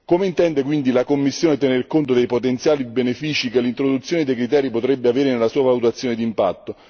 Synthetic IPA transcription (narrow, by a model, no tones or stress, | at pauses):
komeint̪ɛnd̪ek̬wind̪ilakomːisːjoːnet̪enerkont̪od̪ejpot̪ent̪sjaːlibenefiːt͡ʃikelːint̪ɾod̪ut̪sːjoːned̪ejkɾit̪̬ɛːɾipot̪ɾɛbːeaveːɾenelːasuːavalut̪at̪sjoːned̪impa̰t̪ːo